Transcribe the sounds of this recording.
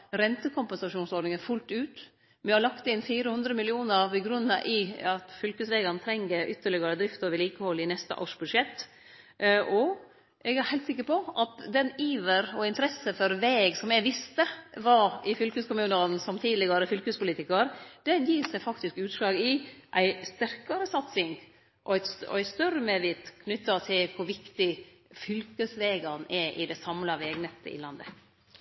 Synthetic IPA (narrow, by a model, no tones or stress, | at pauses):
ɾɛnt̪əkʰʊmpɛnsɑʂuːnsɔɾɖ̪nɪŋəfʉlt̪ʉːt̪ | mɛhɑɾlɑkt̪ɪnfiːɾəhʉnd̪ɾəmɪlɪuːnəɾbɛɡɾʉnːəʔɪɑt̪fʏlkəsʋɛːɡɑnt̪ʰɾɛŋːəɾʔʏt̪ːəɭɪɡɑɾəd̪ɾɪft̪oʋɪliːkəhɔlːɪnɛst̪ə̰ʔoːʂbʉd̪ʂɛt̪ː | ʔɔ | ʔɛɡæhæɪt̪sɪkːəɾpɔʔɑt̪d̪ɛniːʋəɾɔɪnt̪əɾɛsːəfɔɾʋeːɡsɔmɛʋɪst̪əʋɑɪfʏlkʉskʰʊmʉːnənsɔmt̪ʰiːd̪lɪɡɑɾəfʏlkʉspʊliːt̪ɪkəɾd̪̥ɛnjiːsæfɑkt̪ɪskʉːt̪slɑːɡɪʔæɪst̪æɾkɑɾəsɑt̪sɪŋ | ʔɔæt̪sɔ̰æɪst̪œɾəmeːʋɪːt̪kʰnʏt̪ːɑt̪ʰɪlkʰʊɾʋɪkt̪ɪ | fʏlkəsʋeːɡɑnɛʔɪd̪ɛsɑmlɑʋeːɡnɛt̪ːə̰ɪ̰lɑnd̪ə̰